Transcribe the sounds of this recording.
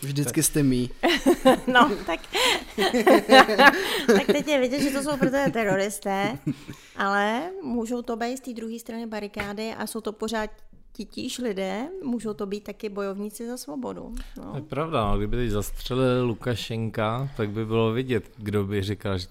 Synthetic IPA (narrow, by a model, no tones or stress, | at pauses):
vʒdɪt͡skɪst̪ɛmiː | not̪ak | t̪akt̪ɛcjɛvɪɟɛt̪ʒɛt̪os̬owpɾot̪oʒɛt̪ɛɾo̞ɾɪst̪ɛː | ʔalɛmuːʒo̞wt̪o̞bɛjt̪st̪iːd̪ɾuɦiːst̪ɾanɪbaɾɪkaːdɪʔa̰so̞wt̪o̞poɾaːt̪ | cɪciʃlɪdɛːmuːʒo̞wt̪o̞biːt̪̚ːakɪbo̞jo̞vɲiːt͡sɪzasvo̞bo̞dṵnto̰ojɛpɾavdanoɡdɪbɪt̪ɛɟzast̪r̝̥ɛlɪlːukaʃɛŋkat̪aɡ̚bɪbɪlovɪɟɛt̪ɡdobɪrɪkalʒɛ